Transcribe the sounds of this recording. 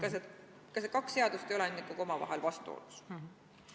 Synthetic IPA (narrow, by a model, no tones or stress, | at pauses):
kɑse | kɑsekɑksːe̞ɑd̪̥ust̪eolenikːuɡo̞mɑvɑ̰ɦelvɑst̪uo̰ːlus